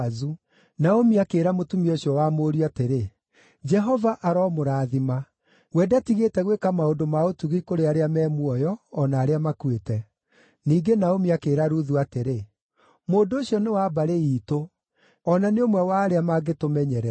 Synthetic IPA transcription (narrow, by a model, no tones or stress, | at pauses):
zu | naomiakeːɾamotumioɕjɔwamoːɾiateɾe | d͡ʒɛɦɔvaʔaɾɔmoɾaːðima | wɛːdatiɣetɛɣwekamaondomaotuɣikoɾeaɾeamɛːmwɔjɔːnaːɾeamakwetɛ | niːɡenaomiakeːɾaɾuðuateɾe | moːndooɕiɔnewabaɾeiːto | ɔnaneomwɛwaːɾeamaɡetomɛɲɛɾɛ